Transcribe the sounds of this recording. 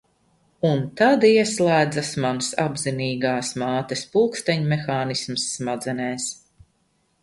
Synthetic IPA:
unt̪ad̪iɛslˠæːd̪zasmansa̰bziniːɡaːsmaːt̪espulˠkst̪ɛɲmɛxaːnismsːmad̪zɛnɛːs

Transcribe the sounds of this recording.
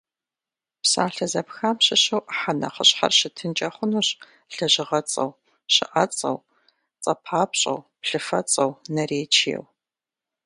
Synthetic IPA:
psa̰ːɬɐzɐpxaːmɕɪɕɐwʔħanɐ̰χəɕħa̰rɕɪtʰɨnt͡ʃʼɐχʷʊnuːɕ | ɬɐʑɪʁɐt͡sʼɐ̰w | ɕɪ̰ʔɐt͡sʼɐ̰w | t͡sʼɐpʰaːpɕʼɐ̰wpɬɨfɐ̰t͡sʼɐwnɐreːt͡ʃʰḛːw

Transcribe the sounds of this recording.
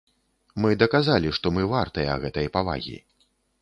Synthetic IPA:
mɨd̪ɐkazalʲiʂt̪ɔmɨvart̪ɐjɐɐ̰ɣɛt̪ɐjpava̰ɣʲḭ

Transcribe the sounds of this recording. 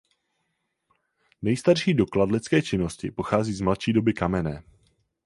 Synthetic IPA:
nɛjst̪aɾʃiːdo̞kladlɪt͡skɛːt͡ʃɪno̞scɪ̰po̞xaːziːzmlat̪ʃiːdo̞bɪkamɛnɛː

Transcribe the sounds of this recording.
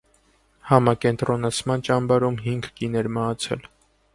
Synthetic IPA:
hɑmɑkɛnt̪ɾɔnɑt͡sʰmɑnt͡ʃɑmbɑɾumɦiŋɡkinɛɾmɑɦɑt͡sʰɛ̰l

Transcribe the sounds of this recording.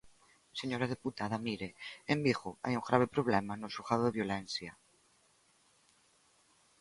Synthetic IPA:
seɲoɾað̞eput̪aðamiɾeembixoa̰juŋɡɾaβ̞epɾoβ̞lɛmanosoxaðoðeβjolɛnθja

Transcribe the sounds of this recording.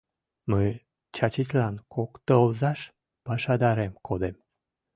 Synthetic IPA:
məj | t͡ɕɑt͡ɕit͡ɕʲlɑnkokt̪olzɑʃ | pɑʃɑd̪ɑɾemkʰod̪em

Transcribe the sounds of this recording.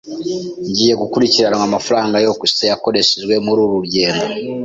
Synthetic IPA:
ɲɟiːje̞ɡukuɾiciɾanaamafaɾaːŋɡajo̞kussejako̞ɾe̞ʃeʒɡwe̞muɾuɾuɾɟe̞ːndo

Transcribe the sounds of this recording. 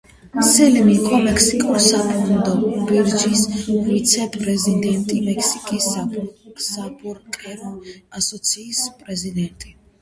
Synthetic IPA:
sɛlimikʼɔmɛkʰsikʼuɾsapʰud̪ɔbiɾd͡ʒisvit̪sʰɛpʼɾɛzid̪ɛnt̪ʼimɛkʰsi̥kʼis | sabuɾkʼɛɾɔasɔt̪sʰiːspʼɾɛzid̪ɛnt̪ʼi

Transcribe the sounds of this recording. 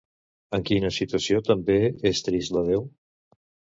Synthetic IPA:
əŋkinəsit̪uəsiot̪əmbeest̪ɾisləðew

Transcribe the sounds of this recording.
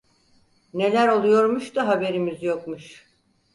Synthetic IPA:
ne̞lʲæɾo̞lˠujo̞ɾmuʃt̪aɦabe̞ɾimizjok̚muʃ

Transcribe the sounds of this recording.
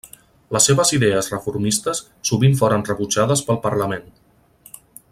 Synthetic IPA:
ləsːeβəziðɛəzrəfuɾmist̪əsːuβiɱfoɾənrəβud͡ʒaðəspəlˠpəɾləmen

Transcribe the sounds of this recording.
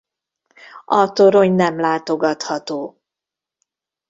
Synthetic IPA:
ɒt̪oɾo̞ɲnɛmlaːt̪oɡɒt̪hɒt̪oː

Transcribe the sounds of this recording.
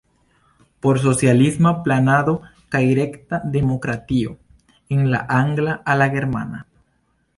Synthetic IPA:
poɾs̬osjalizmaplanaðokajɾekt̪aðemokɾat̪io̰ | eŋla̰ʔaŋɡlaʔalaɣeɾma̰na

